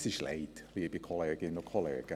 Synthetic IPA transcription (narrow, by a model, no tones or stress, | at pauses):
sɪʃlḛɪt̪liːəbikʰɔleːɡɪnɔkʰɔlḛːɡ̥ə